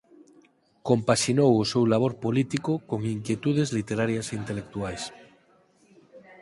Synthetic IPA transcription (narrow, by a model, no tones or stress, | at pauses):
kompaʃinowosewlaβ̞oɾpolit̪ikokoŋiŋkjet̪uð̞ezlit̪eɾaɾjasint̪elek̚t̪uajs